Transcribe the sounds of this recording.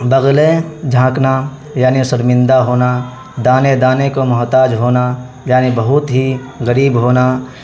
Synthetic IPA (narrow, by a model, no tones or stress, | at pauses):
bɐɣled͡ʒʱãːkna | jaːnisəɾmɪ̃nd̪aɦoːna | d̪aːned̪aːnekomɐɦt̪aːd͡ʒɦoːna | jaːnibɐɦʊt̪ɦi | ɣəɾiːbɦoːna